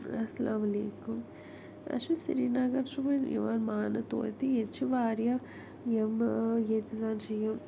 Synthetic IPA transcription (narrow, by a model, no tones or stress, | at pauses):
ɐsɐlʔaːmɐlḛːkum | ɐ̰ʃusḭɾiːnaɡɐɾʃuʋɐnʔḭʋaːnmaːnɐt̪o̰ːjt̪iet͡ʃːuʋaːɾja | emjet͡ʃizaːnʃɐjɐm